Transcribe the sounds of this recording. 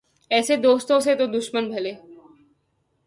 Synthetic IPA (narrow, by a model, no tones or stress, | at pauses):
ɛːsed̪oːst̪õset̪od̪ʊʃmənbʱɐleː